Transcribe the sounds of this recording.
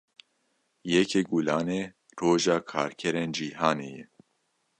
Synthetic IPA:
jɛkʰeːɡulaːneː | roːʒaːkʰaːɾkʰɛɾeːnd͡ʒiːɦaːnḛːjɛ

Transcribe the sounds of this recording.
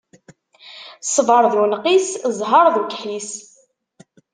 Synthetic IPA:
sˤəvəɾˤðunqiszˤɦɑɾˤðukħis

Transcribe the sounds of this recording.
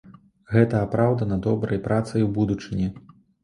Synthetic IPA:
ɣɛt̪ɐːpɾawd̪ɐnɐd̪ɔbɾɐjpɾat̪sɐjubud̪ut͡ʂɨnʲɛ

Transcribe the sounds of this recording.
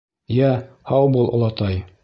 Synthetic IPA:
jæ | hɑwbulˠʔŏ̰lˠɑt̪ɑj

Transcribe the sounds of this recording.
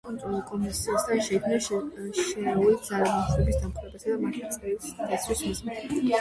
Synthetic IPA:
kʼɔnt̪ʼɾɔlˠukʼɔmisiasd̪aʃɛikʰmnaʃʃɛald̪zalamɔnχɾɛbisd̪amχɾɛbasad̪amat̪ʰiɛlisʼɛsʰɾismismit̪ʰ

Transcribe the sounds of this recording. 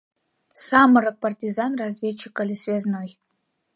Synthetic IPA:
saməɾək̚pɐrtʲizanrazvʲet͡ɕːɪkɐlʲisvʲeznoj

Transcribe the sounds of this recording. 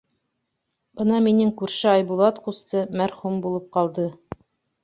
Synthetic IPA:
bɤnɑminɘŋkʉɾʃɘɑjbulˠɑt̪qust̪ɤmæɾχumbulˠɤp̚qɑlˠd̪ɤ

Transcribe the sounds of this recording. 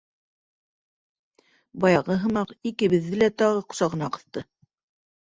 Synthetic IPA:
bɑjɑʁɤɦɤ̆mɑqikɘ̆βɘ̆ðːɘlæt̪ɑʁɤqŏ̥sɑʁɤ̆nɑqɤ̆θt̪ɤ

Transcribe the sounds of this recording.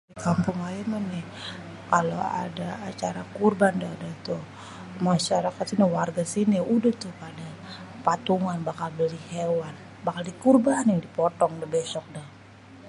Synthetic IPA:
ikampʊŋaimanɪh | kaloa̰daːt͡ʃaɾakurbandadat̪u | maʃaɾakat̪iniwarɡasiniudəht̪ʊhpada | pat̪uŋanbakalbəlihewan | bakaldikurbanɪdipɔt̪ɔŋdabɛsɔk̚dah

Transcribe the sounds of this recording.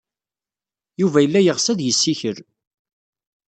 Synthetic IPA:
juvæjəlːæjəʁsæðjəsːiçəɾ

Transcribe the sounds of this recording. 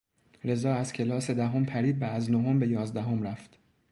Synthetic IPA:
ɾe̞zɒːæz̥cʲʰe̞lɒːse̞d̪æɦompʰæɾiːb̚bæːznoɦombe̞jɒːzd̪æɦomɾæft̪

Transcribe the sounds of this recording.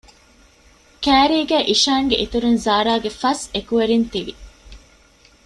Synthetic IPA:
kæːɾiːɡæːʔiʃaːŋɡḛʔit̪uɾunzaːɾaːɡefɐsekuʋeɾint̪iʋi

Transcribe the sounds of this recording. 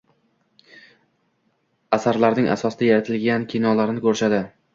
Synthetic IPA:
asaɾlaɾnɪŋʔa̰sɒsd̪ajaɾat̪ʰɪlɡʲankʲʰinɒlaɾɪnɪkʰɵɾʃad̪ɪ

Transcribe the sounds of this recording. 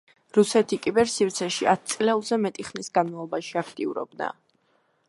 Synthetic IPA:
ɾusɛt̪ʰikʼibɛɾsiɾt̪sʰɛʃiat̪̚ʰt̪sʼlɛlˠzɛmɛt̪ʼiχmnisɡanmavlˠɔbaʃiakʰt̪ʼiuɾɔ̰b̚na̰

